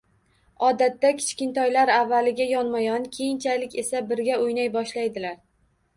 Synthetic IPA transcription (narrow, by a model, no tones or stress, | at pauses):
ɒd̪at̪ːakʲʰɪ̥t͡ʃkʲɪnt̪ʰɒjlaɾavːalɪɡʲajɒnmajɒnkʲʰejɪnt͡ʃʰalɪkʲe̞sabɪɾɡʲaojnajbɒʃlajd̪ɪlaɾ